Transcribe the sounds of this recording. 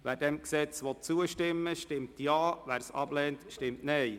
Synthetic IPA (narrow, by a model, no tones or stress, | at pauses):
ʋæːɾdɛmksɛt͡sʋɔt̚t͡suəʃtɪmːəʃtɪmtjɑːʋæːɾsɑ̰b̥lɛːntʃtɪmtnɛj